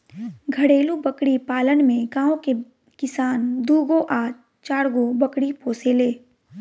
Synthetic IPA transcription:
ɡʱəɽeːlubəkɽipaːlənmẽɡãːõke | kɪsaːnd̪uːɡoʔaː | t͡ʃaːɽɡobəkɽipoːseleː

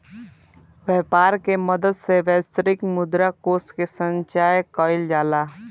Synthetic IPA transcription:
ʋeːpaːɾkeməd̪əd̪seʋɛːst̪ɾɪkmʊd̪ɾakoːsʈkesə̃ɲt͡ʃaːjəkɔːɪld͡ʒaːlaː

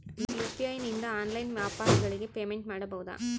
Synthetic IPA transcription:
jut̪ːɪaːjniːnd̪ɐaːnlɐɪnʋjaːpaːɾɐɡɐɭɪkːɯpeːmɛɳʈ̚maːɽɐpɐʋɯðã̰ː

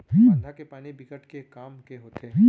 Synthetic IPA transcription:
ɦĩd̪ʱakepaːnibɪkəʈkekaːmkeɦoːt̪eːɦĩ

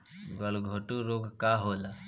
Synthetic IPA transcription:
ɡɔlɡʱoʈuɾoːɡkaːɦoːla

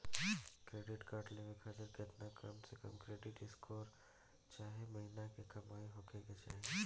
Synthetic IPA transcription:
kɾeːɖɪʈkaːɾʈleʋekʰat̪əɾket̪nakɐmsekɐ̰mkɾeːɖɪʈɪskʰoːɾ | t͡ʃaːɦemɐɦinakekɐmaːiɦokʰeɡet͡ʃa̰ːɦe

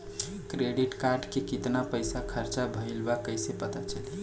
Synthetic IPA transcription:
kɾeɖiʈkaɾɖkekit̪napəɪsakʰəɾt͡ʃabʱəilbakəɪsepət̪at͡ʃəli

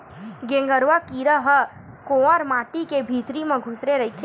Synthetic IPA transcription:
ɡẽŋɡəɾʋakiːɾəɦə | koːəɾmaːʈikebʱiːt̪ɾimẽɡʱʊsɾeɾɐɦit̪ʰː

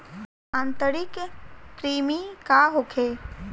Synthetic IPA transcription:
ãnt̪əɾikkɾiːmikaɦokʰe

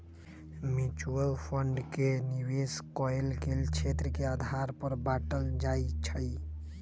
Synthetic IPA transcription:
mjut͡ʃuəlpʰəɳɖkeniweskɔelɡelt͡ʃʰet̪ɾəkead̪ʱaɾpəɾbaʈəld͡ʒait͡ʃʰəj

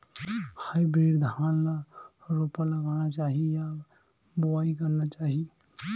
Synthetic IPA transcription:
həjbiɾd̪ʱanlaɾopələɡanat͡ʃaɦija | baikəɾnat͡ʃaɦi

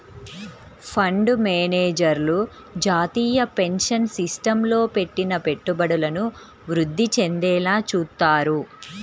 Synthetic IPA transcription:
pʰɐɳɖmeːneːd͡ʒɐɾlu | d͡ʒaːt̪iːjɐpe̞nʂɐnsisʈɐmlo̞ːpe̞ʈːinɐpe̞ʈːubɐɽulɐnu | ʋɾud̪ːit͡ʃe̞nd̪ɛːlaːt͡ʃuːt̪ːaːɾu

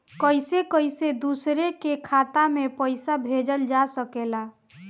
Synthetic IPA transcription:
kəjsekəjsed̪usɾekekʰat̪amepəjsabʱed͡ʒəld͡ʒasəkela

